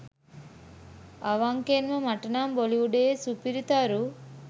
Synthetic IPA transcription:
ɐʋaŋkenʋɐmɐʈɐnaːmboliʋuɖeesupiɾit̪aːɾu

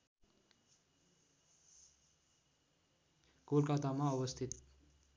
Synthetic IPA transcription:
kolkat̪amaʌwʌst̪ʰit̪

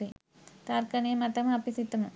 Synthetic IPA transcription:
i | t̪aɾkɐnijɐmɐt̪ɐmɐpisit̪ːɐmu

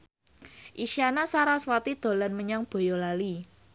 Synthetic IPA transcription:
ʔisianasaɾaswat̪id̪̥o̤lanməɲaŋb̥o̤jɔlali

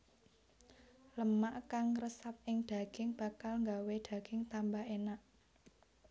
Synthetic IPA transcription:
ləmaʔkaŋrəsap̚ɪŋd̪̥a̤ɡ̥ɪŋb̥ä̤kalŋɡawed̪̥ä̤ɡ̥ɪŋt̪ambaenaʔ

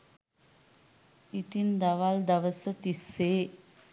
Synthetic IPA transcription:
it̪ind̪aʋald̪əʋəsət̪isːe

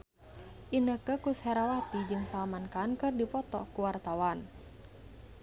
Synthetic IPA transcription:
ʔinəkəkushɛɾawat̪id͡ʒɨŋsalamankankɨrdipɔt̪ɔkuwart̪awan

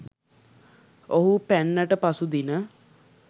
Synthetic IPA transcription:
oɦupænːəʈəpasud̪inə

